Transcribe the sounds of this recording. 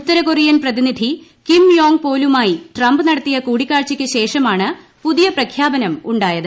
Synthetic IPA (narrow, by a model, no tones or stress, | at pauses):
ut̪ːɐɾɐkorijɐnprɐðinid̪ʱi | kimjoːŋɡ̚po̞ːlumaːjiʈrɐmbɨnɐɽɐt̪ːijɐkuːɽikʲːaːrt͡ɕikʲːɨɕe̞ːʂɐmaːɳɨ | puðijɐprɐkʰjaːbɐnɐmuɳɖaːjɐðɨ